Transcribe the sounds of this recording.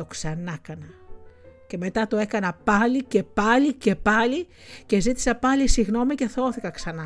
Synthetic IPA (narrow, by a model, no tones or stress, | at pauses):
o̞ksɐnɐkɐnɐ | ce̞me̞t̪ɐt̪o̞e̞kɐnɐpɐlice̞pɐlice̞pɐli | ce̞zit̪i̥sɐpɐlisiɣno̞mice̞θooθikɐksɐnɐ